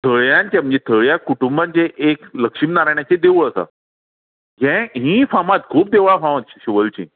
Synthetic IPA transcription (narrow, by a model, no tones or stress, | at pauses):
t̪ʰəɭjãnt͡ɕãm̤ə̃d͡ʑet̪ʰəɭjakuʈumbãɲt͡ɕeʔekləkʂimnaɾajɳ̃jat͡ɕed̪euɭəsa̰ | ɡɛ̃ɦĩːfamãt̪̚kʰuːp̚d̪eʋɭafãmãt̪ɕiɕiʋəlt͡ɕḭ̃ː